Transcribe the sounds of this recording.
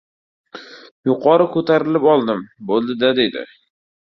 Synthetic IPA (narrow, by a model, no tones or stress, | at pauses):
jʊqʰɒɾɪkʰɵt̪ʰaɾɪlɪpɒlˠd̪ɪmbolˠd̪ɪd̪ad̪e̞d̪ɪ̰